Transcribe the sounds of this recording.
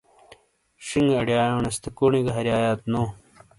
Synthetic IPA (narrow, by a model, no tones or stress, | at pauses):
ʂiŋɡɐɽjaːjõːnɐst̪ekoɳiɡɐɦɐɾjaːjaːt̪noː